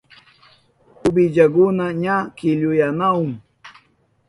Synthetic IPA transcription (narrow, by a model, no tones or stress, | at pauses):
ʊbɪd͡ʒak̬ʊnaɲakɪʎʊjanaʊŋ